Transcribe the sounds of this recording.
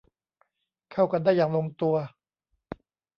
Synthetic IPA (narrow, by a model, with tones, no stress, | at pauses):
kʰa˥˩wka˧ndaː˥˩jːaː˨˩ŋlo˧ŋt̪u˧ɐ